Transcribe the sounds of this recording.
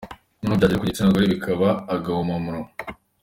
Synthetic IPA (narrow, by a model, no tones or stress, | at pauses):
nunuːbɟaːɟiɾikuɟitinaɡoɾeβikʰaβaːɡahomamuɾo